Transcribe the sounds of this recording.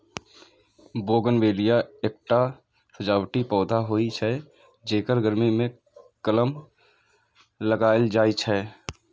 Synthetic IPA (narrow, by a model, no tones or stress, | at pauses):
boːɡənʋeːlijaeːk̚ʈa | səd͡ʒaːwʈipɔːd̪ʱaɦoːit͡ʃʰɛ | d͡ʒeːkəɾɡəɾmimẽ | kələm | ləɡaːɪld͡ʒaːit͡ʃʰɛː